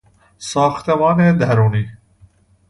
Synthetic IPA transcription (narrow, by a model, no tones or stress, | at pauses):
sɑːxt̪eʋɑːned̪ɐɾuːni